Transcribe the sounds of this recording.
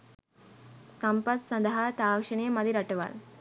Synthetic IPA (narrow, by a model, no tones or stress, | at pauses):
sɐmpɐd̪sɐnd̪ɐɦat̪aːkʂɐnemɐd̪iɾɐʈeʋa̰l